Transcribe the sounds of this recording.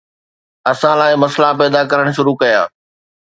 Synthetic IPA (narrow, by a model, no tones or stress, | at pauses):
ɐsãlaːɪmɐslapɛːd̪akɐɾəɽ̃̆ʃʊɾukɐja̰ː